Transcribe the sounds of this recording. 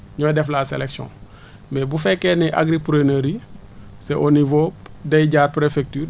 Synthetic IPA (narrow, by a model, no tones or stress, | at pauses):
ɲodɛflaːseleksiɔ̰̃ | mebufekːenɛʔa̰ɡɾipuɾeneɾi | seʔonivoːpdejɟaːɾpɾefek̚tyː